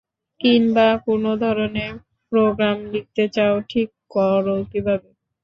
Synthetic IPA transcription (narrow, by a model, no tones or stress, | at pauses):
kinbakunod̪ʱɔɾoneɾ | pɾoɡɾamlik̚t̪et͡ɕaoʈʰikːɔɾolt̪ibʱabe